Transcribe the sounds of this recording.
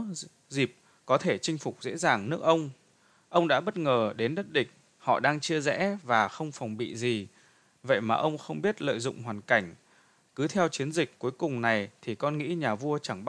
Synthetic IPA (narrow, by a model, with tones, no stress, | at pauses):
zi˨˩p̚ | kɔ˨˦t̪ʰe˧˩t͡ɕï˧ŋ̟fʊ˨˩k͡p̚zḛ˧˥zaː˨˩ŋnɨ˦˥ək̚ʔə˧wŋ͡m | ʔə˧wŋ͡mɗa̰ː˧˥ɓə˦˥t̚ŋəː˨˩ɗe˨˦nɗə˦˥t̚ɗï˨˩k̟̚ | hɔ̰˧˨ɗaː˧ŋt͡ɕi˧əzɛ̰˧˥vaː˨˩xə˧wŋ͡mfwŋ͡mɓḭ˧˨zi˨˩ | və̰˧˨jmaː˨˩ʔə˧wŋ͡mxə˧wŋ͡mɓi˦˥ət̚lə̰ː˧˨jzʊ̰˧˨ŋ͡mɦwaː˨˩nka˧˩jŋ̟ | kɨ˨˦t̪ʰɛ˧wt͡ɕi˨˦ənzï˨˩k̟̚ku˨˦jkʊ˨˩ŋ͡mna˨˩jt̪ʰi˨˩kɔ˧nŋḭ˧˥ɲaː˨˩vu˧ət͡ɕa˧˩ŋɓ